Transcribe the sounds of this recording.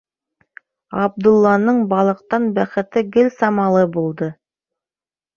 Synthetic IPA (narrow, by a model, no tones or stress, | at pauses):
ɑb̚d̪ʊlˠːɑnəɴbɑlˠə̆q̚t̪ɑnbæχɘ̆t̪ɘɡɪlsɑmɑlˠəbolˠd̪ə